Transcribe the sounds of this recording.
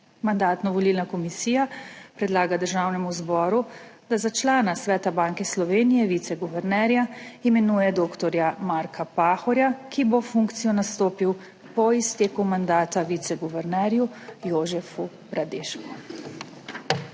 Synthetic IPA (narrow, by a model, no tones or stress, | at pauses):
mand̪aːt̪nɔʋɔlilnakɔmisiːjapɾɛd̪laːɡad̪əɾʒaːwnɛmuzbɔːɾud̪̥azat͡ʃlaːnasʋɛːt̪abaːŋkɛslɔʋeːnijɛʋit̪sɛɡuʋɛɾnɛːɾjaimɛnuːjɛd̪oːkt̪ɔɾjamaːɾkʰapaːxɔɾjakibofuŋkt̪sijɔnast̪oːpiw | pɔist̪eːkumand̪aːt̪aʋit̪sɛɡuʋɛɾnɛɾjujoːʒɛfu | bɾad̪eːʃku